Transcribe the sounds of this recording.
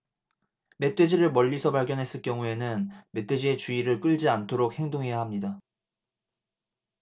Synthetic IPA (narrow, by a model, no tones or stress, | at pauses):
me̞t͈wed͡ʑiɾɯɭmʌʎːisʰʌpaɭɡjʌnɦe̞s͈ɯɭk͈jʌŋue̞nɯnme̞t͈wed͡ʑie̞t͡ɕuiɾɯɭk͈ɯɭd͡ʑiantʰoɾok̚he̞ŋdoŋɦe̞jaɦamɲida